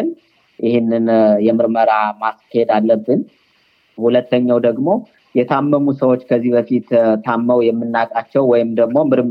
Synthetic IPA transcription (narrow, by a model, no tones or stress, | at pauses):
n | ʔɪhɪnːɨnjɛmɨɾməɾamaskʰːəhed̪alːəbːɨn | hulət̪ːəɲːawd̪əɡmo̞ | jɛt̪ʰamːəmusəwo̞t͡ʃːkʰəzːihbəfit̪t̪ʰamːəwjɛmːɨnːakʼat͡ʃːɛwwɔjɪmd̪əɡmo̞mɨɾm